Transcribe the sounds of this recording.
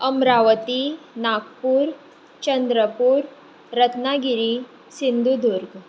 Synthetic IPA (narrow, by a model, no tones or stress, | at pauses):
ɐmɾaʋət̪inakpuːɾ | t͡ɕɐnd̪ɾəpuːɾ | ɾɐt̪naɡiɾi | sind̪ʱud̪ʱuɾɡ